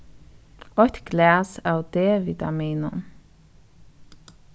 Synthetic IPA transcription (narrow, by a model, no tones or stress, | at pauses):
ɔt̪ɡ̥læːsɑːwd̪̥eːʋit̪ɑ̰miːnə̰m